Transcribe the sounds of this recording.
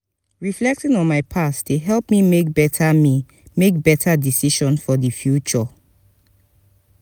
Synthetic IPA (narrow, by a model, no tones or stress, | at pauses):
ɹiflɛk̚tɔ̃nɔ̃nmaɪpʰastteɦɛlpmimek̚bɛtʰami | mek̚bɛtʰadisiʃɔ̃nsfɔdifjut͡ʃɔ